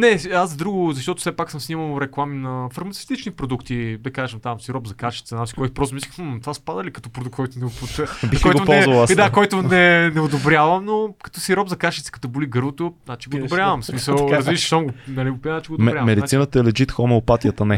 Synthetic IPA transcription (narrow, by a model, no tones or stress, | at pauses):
nɛazɐd̪ɾuɡʊzɐʃt̪ɔt̪ʊ̥sɛpaksɤmsniməlˠɾɛklˠaminɐfɐɾmɐt̪ɛ̥ft̪it͡ʃnipɾod̪ukt̪id̪ɐkaʒəmt̪amsiɾɔbzɐkaʃi̥t̪sənat͡ʃi̥kɔjt̪opɾɔst̪omiskəxt̪ovaspad̪əlikɐ̥t̪ɔpɾoduk̚t̪kɔjt̪onɛopot̪bikɔjɡ̪onɔlˠzvɐlˠasd̪akɔjt̪ʊnɛnɛʊd̪obɾʲjavɐmnokɐ̥t̪ɔsiɾɔbzɐkaʃit̪sə̥kɐt̪ɔboliɡɤɾvot̪onat͡ʃiɡoːd̪bɾjavɐmsmisəlˠɾɐzviʃə̥ʃsomɡonɐliɡopinat͡ʃiɡoːd̪avmɛd̪it̪asinət̪əɛlɛd͡ʒit̪xomɛʊpat̪iət̪ənɛ